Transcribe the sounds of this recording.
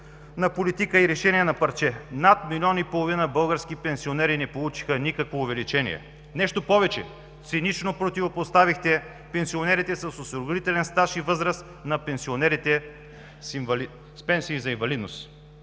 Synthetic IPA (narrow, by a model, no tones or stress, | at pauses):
nɐpolit̪ikəiɾɛʃɛniɛnɐpɐɾt͡ʃɛnat̪milʲiɔnipolˠovinəbɤlˠɡəɾsk̟ipɛnsionɛɾinɛpolˠut͡ʃi̥xənikəkvoːvɛlit͡ʃɛnḭɛ̰ | nɛʃt̪opɔvɛt͡ʃɛ̰ | t̪sinit͡ʃnopɾot̪ivopost̪avixt̪ɛ | pɛnsionɛɾit̪ɛsɐsosɾoɡɾit̪ɛlɛnst̪aʃivɤzɾəs | nɐpɛnsionɛɾit̪ɛ | sv | spɛnsiːzɐĩɱvɐlid̪nos